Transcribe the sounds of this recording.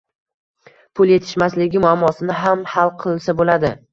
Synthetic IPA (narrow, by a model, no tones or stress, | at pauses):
pʰʊlˠje̞t̪ʰɪ̥ʃmaslɪɡʲɪmʊamːɒsɪnɪɦamhalˠqʰɨlˠɪsabolad̪ɪ